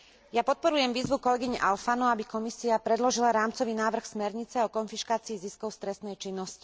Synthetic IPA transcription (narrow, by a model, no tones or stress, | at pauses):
japɔt̪̚pɔɾujɛmʋiːzʋukɔlɛɡiɲɛʔalfanɔabikɔmisiapɾɛd̪lɔʒilaɾaːmt͡sɔʋiːnaːʋr̩xsmɛɾɲit͡sɛɔkɔnfiʃkaːt͡siːziskɔʊst̪ɾɛst̪nɛjt͡ʃinːɔsci̥